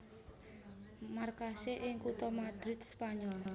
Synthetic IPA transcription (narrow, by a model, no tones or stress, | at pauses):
markaseʔɪŋkut̪ɔmad̪̥ɾɪt̪̚spaɲɔl